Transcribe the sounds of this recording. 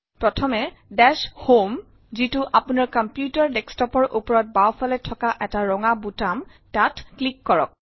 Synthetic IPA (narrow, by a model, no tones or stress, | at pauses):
pɹɔtʰɔmɛ | dɛshom | zitʊʔapunaɹkɔmpjutaɹdɛkstɔpɔɹʔupɔɹɔt̚bawfalɛtʰɔkaʔɛtaɹɔŋabutam | tatklikːɔɹɔ̰k̚